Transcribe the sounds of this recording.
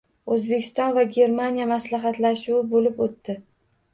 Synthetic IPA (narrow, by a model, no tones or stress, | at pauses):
ɵzbekʲʰɪ̥st̪ɒnvaɡʲe̞ɾmanijamaslaɦɑt̪laʃuɪbolɪpot̪ːɪ